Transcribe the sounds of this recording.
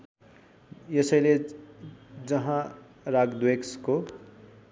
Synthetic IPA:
jʌsʌjle | d͡zʌɦã | raɡd̪weksko

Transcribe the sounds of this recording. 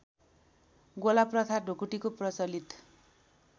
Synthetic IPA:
ɡolaprʌt̪ʰaɖʱokuʈikoprʌt͡sʌlit̪

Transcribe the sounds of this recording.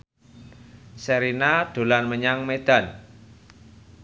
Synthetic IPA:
səɾinad̪̥o̤lanməɲaŋmed̪̥a̤n

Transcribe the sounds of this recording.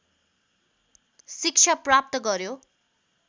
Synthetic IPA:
sik̚t͡ʃʰaprap̚t̪ʌɡʌɾjo

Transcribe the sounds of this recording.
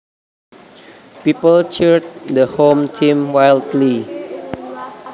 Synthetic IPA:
pipəlt͡ʃiɹd̚dəhõmtʰĩmwajldli

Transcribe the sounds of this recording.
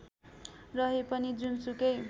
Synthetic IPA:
rʌɦepʌnid͡zunsukʌj

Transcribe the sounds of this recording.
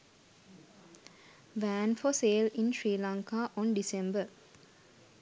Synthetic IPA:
ʋæ̃nfɔseːlĩnʃɾiːlãŋkaʔɔ̃nɖisẽmbə

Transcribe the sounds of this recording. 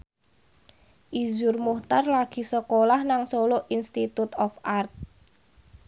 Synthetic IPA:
ʔizʊrmuht̪arlaɡ̥i̤səkolahnaŋsoloʔinst̪it̪ut̪ɔfʔart̪̚

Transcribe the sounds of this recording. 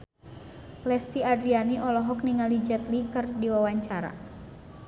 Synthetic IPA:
lɛst̪iadɾianiʔɔlɔɦɔk̚niŋalid͡ʒɛt̪likərdiwawaɲt͡ʃaɾa̰

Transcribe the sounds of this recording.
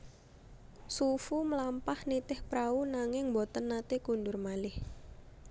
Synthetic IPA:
sufuməlampahnit̪ɪhpɾaunaŋɪŋmbɔt̪ənːat̪ekundʊrmalɪh

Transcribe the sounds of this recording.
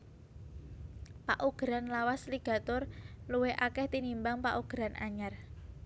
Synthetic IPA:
pa̰ʔuɡ̥ɾanlawasliɡ̥a̤t̪ɔrluweʔakɛht̪inimbaŋpa̰ʔuɡ̥ɾanʔa̰ɲar

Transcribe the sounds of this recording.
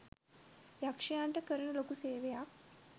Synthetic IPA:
jakʂɐjaɳʈəkəɾənəlokuseːʋejak̚

